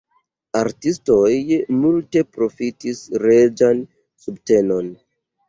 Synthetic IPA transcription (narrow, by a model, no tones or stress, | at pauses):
aɾtisto̞jmulte̞pɾo̞fitisɾed͡ʒan | subte̞no̞n